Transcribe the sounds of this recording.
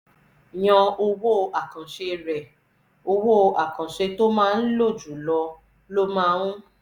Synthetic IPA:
j̃ɔ̃˧o˧wo˦˧a˨kã˨ʃe˧ɾɛ˨ | o˧wo˦˨˧ʔa˨kã˨ʃe˧to˦mãː˦˧n̩˦lo˦˨d͡ʒu˨lɔ˧ | lo˦mã˦ũ˦

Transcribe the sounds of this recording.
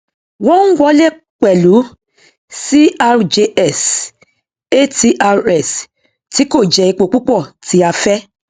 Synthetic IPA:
wɔ̃˦ŋ̩˦ɡ͡bɔ˦le˦˨ | k͡pɛ˨lu˨˦ | si˦ʔa˧d͡ʒe˧ʔɛ˦˨s | e˦˨ti˧˦ʔa˧ɾɛ˨s | ti˨˦ko˦˨d͡ʒɛ˨i˧k͡po˨k͡pu˦k͡pɔ˦˨tʰi˨˦a˧fɛ˦

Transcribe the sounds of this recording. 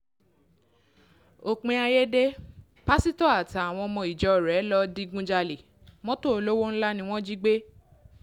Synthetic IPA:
o˨k͡pĩ˨˧a˧je˦de˦ | pa˦si˦tɔ˦˨a˨ta˨a˨w̃ɔ̃˧mɔ̃˧˨i˨d͡ʒɔ˨˦˨ɾɛ˨˦lɔ˦di˧ɡũ˦d͡ʒa˧le˨ | mɔ̃˦to˦o˧lo˦wo˦n̩˦la˦nĩ˧w̃ɔ̃˦d͡ʒi˦ɡ͡be˦

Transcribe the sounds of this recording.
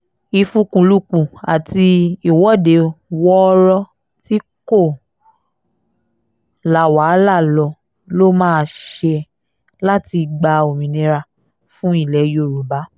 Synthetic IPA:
i˧fũ˦kũ˧lu˦k͡pũ˨a˨ti˧i˦˨wɔ˦˨de˨˦wɔ˦ɾɔ˦ | ti˦ko˦˨ | la˨wa˨˦la˦˨lɔ˧ | lo˦mãː˦˧ʃe˧ | la˦ti˧ɡ͡ba˧o˨mĩ˨nĩ˧ɾa˧ | fũ˦i˦˨lɛ˨˦jo˦˨ɾu˨ba˨˦

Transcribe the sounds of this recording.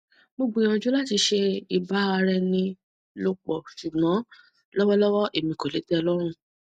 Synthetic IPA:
bo˦˧ɡ͡bõ˧˨˦ã˧˨d͡ʒu˦la˦˨ti˧ʃe˧i˨ba˨˦a˧ɾɛ˧nĩ˧ | lo˧k͡pɔ˨ʃu˨ɡ͡bɔ̃˨˦ | lɔ˦wɔ˦lɔ˦wɔ˦ʔe˨mĩ˨ko˨le˨˦dɛ˦ɔ˧lɔ˦ɾ̃ũ˧

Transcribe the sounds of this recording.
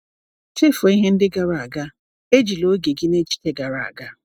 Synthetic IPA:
te˦fo˨i˦ɦe˦n̩˦dɪ˦ɡa˦˨ɾa˨a˨ɡa˦ | e˦d͡ʒi˨lo˦ɡe˨ɡi˦ne˦t͡ʃi̥˦te˦ɡa˨ɾa˨a̰˨ɡa˦

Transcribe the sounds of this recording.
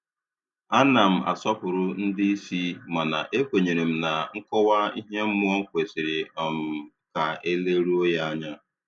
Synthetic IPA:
a˦na˨m̩˨a̰˨sɔ˦pʊ˨ɾʊ˦n̩˦dɪ˦i˦si˦ma˨na̰˨ʔe˦kʷe˨ɲe˨ɾe˨m̩˦na˨ŋ̩˦kɔ˦wa˦i˦ɦe˦m̩˦mʊ˦ɔ˦ŋ̩˦kʷe˨sɪ˨ɾɪ˨ɔ˨m̩˨ | ka˨e˦le˦ɾu˦o˦ja˦a˦ɲa˦

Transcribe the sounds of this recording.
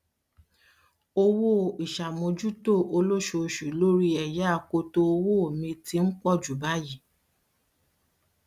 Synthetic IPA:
o˧wo˦˨i˨ʃa˨mõ˧d͡ʒu˦to˦˨o˧lo˦ʃo˧ʃu˨˦lo˦ɾi˦ɛ˨ja˦a˧˨ko˧to˧o˧wo˦o˨mĩ˧ti˧˦ŋ̩˦kɔ˦˨d͡ʒu˨ba˦ji˦˨

